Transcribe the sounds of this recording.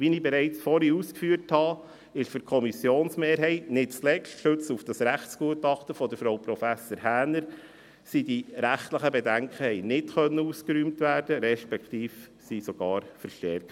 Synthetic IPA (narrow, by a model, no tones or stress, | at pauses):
ʋinibɛɾɛɪt͡sfɔɾiuskfyːəɾthɑ | ɪʃfʏɾkʰɔmisjoːnsmeːɾɦɛɪtnɪtt͡slɛkʃtʃɵt͡sufd̥ɑsɾæχtsɡ̥uətɑχtəfɔdəɾfɾowpɾɔfæsoːɾhæːnəɾ | sidiɾæχtləχəbɛdæŋkʰχəhɛɪnɪtχœnːəuskəɾyːmtvʋæːɾd̥əɾɛʃpɛkt̪iːf | sisɔɡ̥ɑːɾfəɾʃtɛɾkt